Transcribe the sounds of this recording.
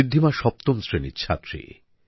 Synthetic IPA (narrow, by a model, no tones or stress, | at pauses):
id̪ʱːimaʃɔp̚t̪omsɾenḭt͡ɕʰa̰t̪ːɾḭ